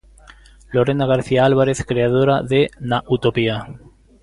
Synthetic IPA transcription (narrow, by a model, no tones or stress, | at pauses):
loɾenaɣaɾθiaalβaɾeθkɾeaðoɾaðenaʔut̪opia